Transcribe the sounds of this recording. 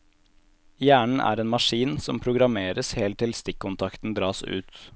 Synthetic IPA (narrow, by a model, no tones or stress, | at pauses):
jæːɳɳ̩ʔæ̰ːɾeːnmɑʂiːnsɔmpʰɾʊɡɾɑmeːɾəsheːlt̪ʰːɪlst̪ɪkːʊnt̪ʰɑkt̪n̩d̪ɾɑːsʉ̰ːt̪